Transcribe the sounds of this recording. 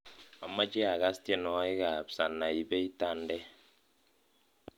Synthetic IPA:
a˨ma˦t͡ʃɛ˦a˨ɣa˦ste˦nɔ˨˦i˦ka˨psa˨nːa˨i˨bɛ˦i˦ta˦ndɛ˦

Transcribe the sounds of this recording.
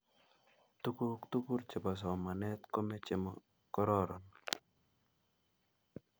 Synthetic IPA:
t̪uku˦kt̪u˦ku˦ɾt͡ʃe˨ba˨s̬ɔ˨ma˨nɛ˦t̪ko˦me˦t͡ʃe˨m | kɔ˦ɾɔɾɔn

